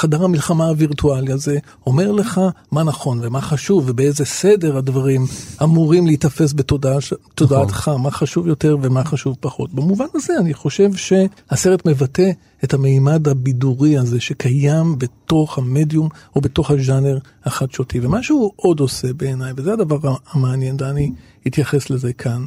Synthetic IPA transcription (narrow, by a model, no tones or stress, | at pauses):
χadaʁhamilχamaːviʁtualiaze̞ | o̞me̞ʁle̞χamanaχo̞nve̞maχaʃuvebeezese̞de̞ʁhadvaʁimamuʁimlehitafe̞s̬betodtodaat̪χamaχaʃuvjo̞te̞ʁve̞maχaʃuvpaχo̞tbemuvanaze̞aniχo̞ʃe̞vʃe̞haseʁetme̞vate̞ | ethameimadhabiduʁiaze̞ʃe̞kʰajambeto̞χhame̞djumo̞be̞to̞χhaʒane̞ʁ | aχatʃotʰivemaʃuuʔo̞do̞se̞be̞ːnajvezeadavaʁaamaanje̞ndeani | hit̪jaχe̞sle̞ze̞kʰan